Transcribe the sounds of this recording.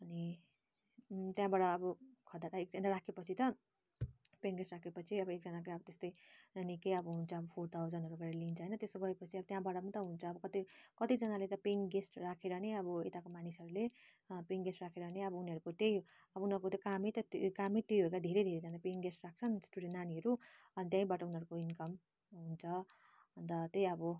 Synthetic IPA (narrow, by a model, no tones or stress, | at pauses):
ʌni | t̪jãbaɽʌːbʌkʰʌd̪at̪aek̚d͡zad̪aɾakʰepʌt͡sʰit̪ʌ | peŋɡesʈrakʰepʌt͡sʰiʌbʌek̚d͡zʌnak̬oʌbʌt̪est̪ʌjnikʌjʌbʌɦunt͡sʰʌʌbʌpʰoʈawd͡zʌnɦʌɾukaɾeelint͡sʰʌɦjnʌt̪esoɡʌepʌt͡sʰiʌbʌt̪jãbaɽʌpʌnit̪ʌɦunt͡sʰʌʌbʌkʌt̪ikʌt̪id͡zʌnalet̪ʌpeŋɡesʈrakʰeɾʌneʌbʌet̪akomanisʌɾule | peŋɡesʈrakʰeɾʌneʌbʌuniɦʌɾukot̪jej | ʌbʌunɦʌɾukot̪jokamet̪ʌt̪kamit̪jojɦokad̪ʱeɾejd̪ʱeɾed͡zʌnapeŋɡesʈrak̚t͡sʰʌnsʈuɽenːaniɦʌɾu | ʌnit̪jãĩbaʈʌunʌɾukoinkʌm | ɦunt͡sʰʌ | ʌnd̪ʌt̪ejʌbʌ